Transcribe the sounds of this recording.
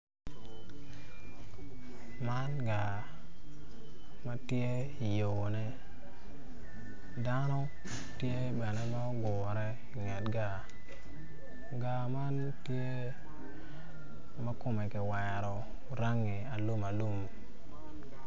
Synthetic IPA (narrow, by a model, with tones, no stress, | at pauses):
ma˦nɡa˨ | ma˦tje˦ | i˨jo˨wnɛ˦ | da˦nɔ˦ | tje˦˨bɛ˨nɛ˦ma˦ɡɔ˨ɾɛ˦ | ɪ˨ŋɛ˨tɡa˦˨ | ɡa˨ma˦n | tje˦ | ma˦kʊ˦mɛ˨kɪ˨wɛ˨ɾɔ˨ | ɾa˦ŋi˨a˨lu˦ma˨lu˦m